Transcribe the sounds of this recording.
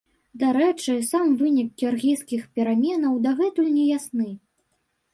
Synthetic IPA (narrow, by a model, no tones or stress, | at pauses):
d̪aɾɛt͡ʂɨsamvɨnʲik̚ːʲiurɣʲijskʲixpʲɛɾamʲɛnɐwd̪aɣɛt̪ujnʲɛjasnɨ